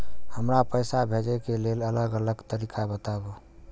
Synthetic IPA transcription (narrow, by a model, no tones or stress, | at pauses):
həmɾapəjsabʱed͡ʒekelelələɡələɡt̪əɾiːkʰabət̪aɡo